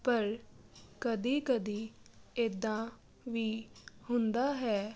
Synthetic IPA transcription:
pəɾkəd̪iːkəd̪iːeːd̪ãː | ʋiːhʊnd̪aːɦɛː

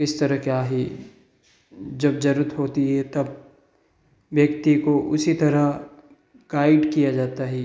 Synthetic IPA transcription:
kɪst̪ɐɾəkeaːɦi | d͡ʒɐbd͡ʒɐɾət̪ɦoːt̪iɦɛt̪ɐb | ʋjɐkt̪ikoʔʊsit̪ɐɾa | ɡaːɪɖkijad͡ʒaːt̪aɦɛ

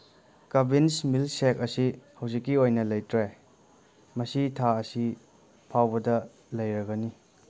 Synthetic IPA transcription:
kɐbinsmilsek̚ɐsihɐwzikːiojnɐlɐjtɾe | mɐsitʰaɐsi | pʰawbɐdɐ | lɐjɾɐɡɐni

